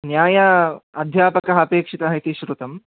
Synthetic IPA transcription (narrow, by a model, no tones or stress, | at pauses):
njaːjɐɐd̪ʱjaːpɐkɐɦɐɐpeːkʂit̪ɐɦɐit̪iʃɾut̪ɐm